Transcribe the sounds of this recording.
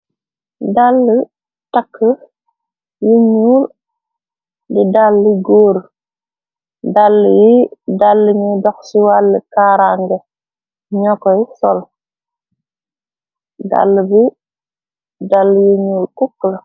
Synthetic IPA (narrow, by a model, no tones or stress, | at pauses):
dalːə | takːə | juɲuːl | didalːiɡoːɾ | dalːijidalːəɲidɔxsuwalːəkaɾaŋɡe | ɲɔkɔjisɔl | da̰lːəbi | dalːjuɲulkukːl